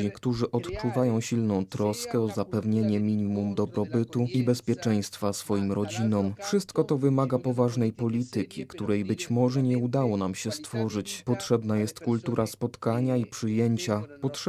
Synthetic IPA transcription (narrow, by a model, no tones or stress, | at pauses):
ikt̪uʐɘʔɔt̪t͡ʂuvajɔ̃w̃ɕilnɔ̃w̃t̪ɾɔskɛɔzapɛvɲeɲɛmʲiɲimumd̪ɔbɾɔbɘt̪uibɛspʲjɛt͡ʂɛj̃st̪fasfɔjimɾʔɔd͡ʑinɔmfʂɘst̪kɔt̪ɔvɘmaɡapɔvaʐnɛjpɔlʲit̪ɘkʲḭkt̪uɾɛjbɘt͡ɕmɔʐɛɲɛud̪awɔnamɕɛst̪fɔʐɘt͡ɕpɔtʂɛbn̪ajɛst̪kult̪uɾʔaspɔt̪kaɲaipʂɘjeɲt͡ɕapɔtʂ